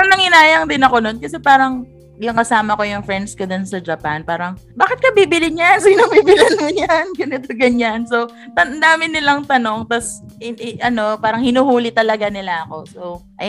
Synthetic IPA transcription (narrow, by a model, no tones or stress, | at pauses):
ɐŋnɐŋɪnaːjɐŋd̪ɪnɐko̞nonkɐsɛpaːɾɐŋ | jʊŋkɐsaːmɐko̞jʊŋfɹɛnd̪skod̪o̞nsɐd͡ʒɐpanpaːɾɐŋ | baːkɪt̪̚kɐbiːbɪlɪɲansinobibɪlɪnmʊɲanɡɐnɪt̪oɡɐɲanso̞w | t̪ɐnd̪aːmɪnːɪlaŋt̪ɐno̞ŋt̪ɐsɪʔɐno̞paːɾɐŋhɪnuːhuːlɪt̪ɐlɐɡanɪlaʔɐko̞sowʔɐj